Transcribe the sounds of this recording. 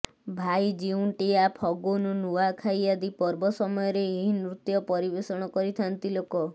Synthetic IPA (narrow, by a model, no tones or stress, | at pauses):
bʱajd͡ʒiuɳʈijapʰɔɡonunuwakʰajad̪ipɔɾbɔsɔmɔjɔɾeːɦinɾut̪jɔpɔɾibesɔɽ̃ɔkɔɾit̪ʰant̪ilokɔ